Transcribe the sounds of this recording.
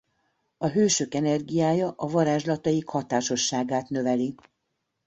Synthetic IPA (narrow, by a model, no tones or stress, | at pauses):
ɒɦøːʃøkɛnɛrɡijaːjɒʔɒvɒɾaːʒlɒt̪ɒjikhɒt̪aːʃo̞ʃːaːɡaːt̪nø̞vɛli